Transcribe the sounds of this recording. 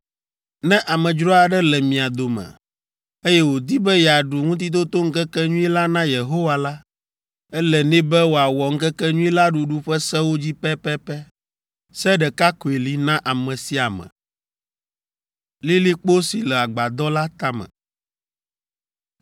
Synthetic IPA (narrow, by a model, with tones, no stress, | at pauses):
nɛ̃˦ʔa˨mɛ̃˨d͡ʒɾɔ˦a˨ɖɛ˦lɛ˨mĩ˨a˨d̪o˨mɛ̰̃˨ | e˦jɛ˦wo˨d̪i˦bɛ˦jɛ˨a˨ɖu˨ŋũ˦t̪̬i˦t̪̬o˦t̪o˦ŋ̩˦kɛ˦kɛ˦ɲũ˦i˦la˦nã˦je˨ɦo˦wa˨la˦ | ɛ˦lɛ˨nĩ˦bɛ˦wo˨a˨wɔ˨ŋ̩˦kɛ˦kɛ˦ɲũ˦i˦la˦ɖu˨ɖu˦ɸɛ˦sɛ˦wo˦d͡ʑi˦pɛ˦pɛ˦pɛ˦ | sɛ˦ɖɛ˨ka˦ko˨e˨li˦nã˦ʔa˨mɛ̃˨si˦a˨mɛ̰̃˨ | li˦li˦k͡po˦si˨lɛ˨a˨ɡ͡ba˨d̪ɔ˦la˦t̪a˦mɛ̰̃˨